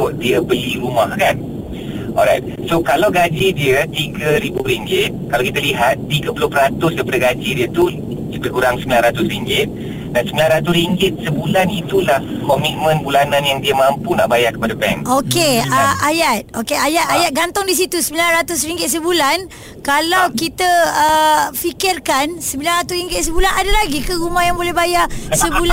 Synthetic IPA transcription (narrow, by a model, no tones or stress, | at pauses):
ʊʔdiəbəliɾumahkan | ɔ̰lɾajt̪̚ | sokalawɡad͡ʒidiət̪iɡəɾibuɾiŋɡɪt̪̚kalawkit̪aliɦat̪̚ːiɡəpəlʊhpəɾat̪ʊsdəpədəɡad͡ʒidiət̪u | bəkuɾaŋsəmbilanrat̪ʊsriŋɡɪt̪̚ | dãnsəmbilanɾrat̪ʊsɾiŋɡɪt̪̚səbulanit̪ulah | kɔmit̪̚mə̃nbulanãnjaŋdiamãmpuna̰ʔbajakə̥padabɛ̰ŋʔokeaajat̪̚okeajat̪ajat̪̚ɡant̪ʊŋdis̬it̪usəmbilanrat̪ʊs̬riŋɡɪt̪̚səbulan | kalawkit̪əəfikɪrkansəmbilanrat̪ʊsriŋɡɪt̪̚s̬əbulanadalaɡikəɾumahjaŋbolɛhbajasəbul